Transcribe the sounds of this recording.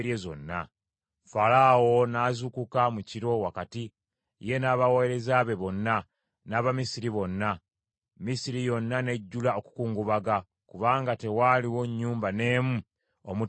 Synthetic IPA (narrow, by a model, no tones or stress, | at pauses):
ɾezo̞̰nːa̰ | falawo̞naːzukukamuciɾo̞wakati | je̞naːβaweeɾe̞zaβe̞βo̞nːa | naːβamisiɾiβo̞nːa | misiɾijo̞nːane̞ɟːulao̞ku̥kuːŋɡuβaɡa | kuβaːŋɡate̞waliwo̞ɲːuːmbane̞ːmu | omu